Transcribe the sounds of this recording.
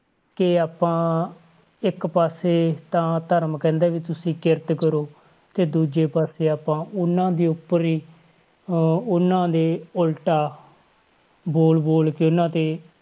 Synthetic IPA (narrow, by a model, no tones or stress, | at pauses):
kɪaːpãː | ɪkpaːseːt̪ãːt̪əɾmkɛ̃ːnd̪aːʋiːt̪ʊsĩːkɪɾt̪kəɾoː | t̪eːd̪uːd͡ʒeːpaːseːaːpãːʊnːãːd̪iːʊpːəɾiː | ʊnãːd̪eːʊlʈaː | boːlboːlkɪʊnãːt̪eː